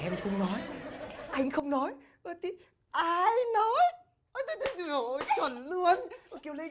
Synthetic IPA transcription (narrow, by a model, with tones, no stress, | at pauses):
ʔɛ˧mxə˧wŋ͡mnɔ˨˦jʔa˧jŋ̟xə˧wŋ͡mnɔ˨˦j | ə˨˩t̪i˧˦ | ʔaː˧jnɔ˨˦j | ʔə˧˦t̪ə˧˨˦t̪ə˨˦t̪i˧˩˨ʔjt͡ɕwə˨˩nlu˧ənʔki˧˩ə˨wlə˧˦